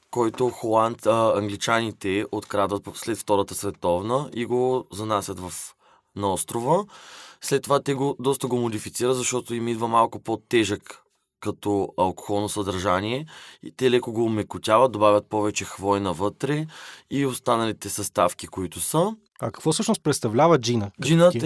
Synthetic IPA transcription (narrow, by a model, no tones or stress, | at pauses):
kɔjt̪oxolˠant̪ɐŋɡlit͡ʃanit̪ɛot̪kɾad̪vət̪slɛt̪ft̪ɔɾət̪əsvɛt̪ɔvnəiɡozɐnasʲət̪vɐf | nɐɔst̪ɾovəslɛt̪ːovat̪ɛɡod̪ɔst̪əɡomod̪ifit̪siɾəzɐʃt̪ɔt̪oimid̪vəmalˠkʊpot̪ɛʒəkː | ɐt̪ɔɐlˠko̥xɔlˠnosɐd̪ɐɾʒaniɛḭt̪ɛlɛkoɡoːmɛkʊt̪ʲavət̪̚d̪obavʲət̪̚pɔvɛt͡ʃɛxvɔjnɐvɤt̪ɾɛiost̪anɐlit̪ɛsɐst̪afkikoit̪ʊsə | ɐkɐ̥kvɔsɤʃnost̪̚pɾɛt̪st̪ɐvlʲavəd͡ʒinəd͡ʒinə